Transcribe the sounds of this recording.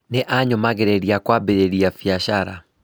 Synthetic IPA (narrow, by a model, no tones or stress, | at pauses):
neʔaɲɔmaɣeɾɛɾiakwabeɾeɾiafiaʃaɾa